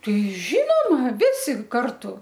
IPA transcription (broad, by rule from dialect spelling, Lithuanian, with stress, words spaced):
ˈtɐɪ ˈʒʲiːnoːmɐ ˈʋʲɪsʲɪ ˈkɐrtʊ